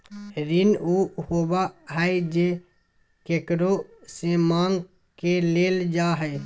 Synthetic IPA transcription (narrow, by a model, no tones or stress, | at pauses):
ɾinuhobaɦəed͡ʒe | keːkɾosemãːŋɡ | keleːld͡ʒaɦɛː